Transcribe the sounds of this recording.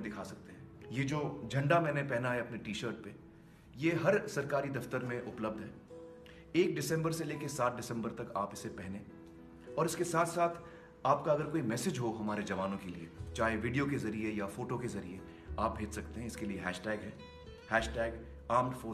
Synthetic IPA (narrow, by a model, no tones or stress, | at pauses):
d̪ɪkʰasɐk̚t̪eɦɛ̃jed͡ʒoːd͡ʒʱɐ̃ɳɖamɛ̃ːnepɛɦnaɦɛɐpneʈiːʃəɾʈ̚pe | jeɦɐɾsɐɾkaːɾid̪ɐft̪əɾmẽʔʊpləb̚d̪ʱɦɛː | eːk̚ɖɪsɛ̃mbəɾseleːkesaːt̪̚ɖɪsɛ̃mbəɾt̪ɐka̰ːpɪsepɛɦne | ɔːɾɪskesaːt̪ʰsaːt̪ʰ | aːpkaɐɡəɾkoːimɛːsɪd͡ʒɦoɦɐmaːɾed͡ʒɐʋaːnõkeliet͡ʃaːɦeʋiɖijokezɐɾiejafoːʈokezɐɾḭe | aːp̚bʱeːd͡ʒsɐkt̪eɦɛ̃ɪskelieɦɛːʃʈɛːɡɦɛː | hɛːʃʈɛːɡ | aːmnfoː